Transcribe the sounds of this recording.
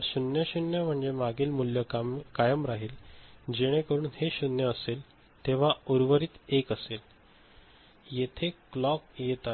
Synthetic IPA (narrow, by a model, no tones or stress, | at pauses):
əɾɕunjəɕunjəm̤əɳd͡zemaɡiːlmuljəkajəmɾaɦiːld͡ʑeɽ̃ẽkəɾuːnheɕunjəːsel | t̪eʋ̤auɾʋəɾiːt̪ekəsel | jet̪ʰeklɔkjet̪a